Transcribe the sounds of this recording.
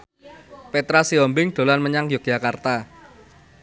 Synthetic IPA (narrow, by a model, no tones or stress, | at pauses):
pet̪ɾasiɔmbɪŋɖ̪̥o̤lanməɲaŋjok̚j̥a̤kart̪a